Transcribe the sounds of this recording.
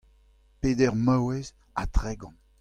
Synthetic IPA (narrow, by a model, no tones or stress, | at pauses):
peːdɛʁmawɛz | at̪ʁɛɡɑ̃